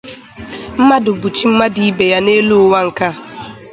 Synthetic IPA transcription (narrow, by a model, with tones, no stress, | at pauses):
m̩˦ma˦dʊ˨bu˨t͡ʃi˦m̩˦ma˦di˨i˦be˨ja˦ne˦lu˦ʊ˦wa˦ŋ̩˨ka˦˨